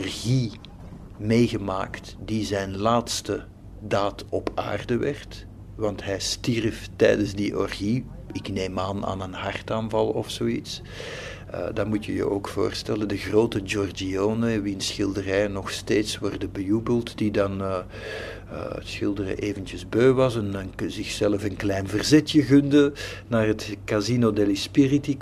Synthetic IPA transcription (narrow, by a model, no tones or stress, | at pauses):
ɔrɣi | meːɣəma̰ːktdizɛjnlaːtstə | daːtɔpa̰ːrdəʋɛrt | ʋɑntɦɛjstirftɛːdənzdiʔɔrɣi | ɪkneːmaːna̰ːnənhɑrtaːnvɑlˠɔfsoːits | ə̰dɑtmutjəjə̰ʔoːkfo̰ːrstɛləndəɣroːtəd͡ʒɔrd͡ʒioːnənʋinsxɪlˠdərɛjənɔxsteːtswɔrdəbəjubəlˠtd̥idɑn | sxɪlˠdərə̰ʔeːvəntjəzbøːʋɑsənənzɪxsɛləfənklɛːnvərzɛtjəɣɵndənaːrətkazinodɛlispɪriti